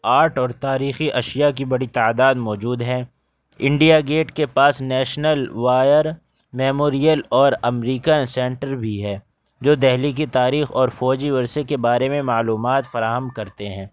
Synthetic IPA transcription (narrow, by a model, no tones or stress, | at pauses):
aːɾʈɔːɾt̪aːɾiːxiʔɐʃijak̬ibɐɽit̪aːd̪aːd̪mɔːd͡ʒuːd̪ɦɛ | ɪ̃ɳɖijaɡeːʈkepaːsnɛːʃnəlʋaːjəɾ | mɛːmoːɾijəlɔːɾɐmɾiːkənsɛ̃ːɳʈəɾbʱiɦɛː | d͡ʒoːd̪ɛɦlik̬it̪aːɾiːxɔːɾfɔːd͡ʒiʋɐɾsekebaːɾemẽmaːluːmaːt̪fɐɾaːɦəmkɐɾt̪eɦɛ̃ː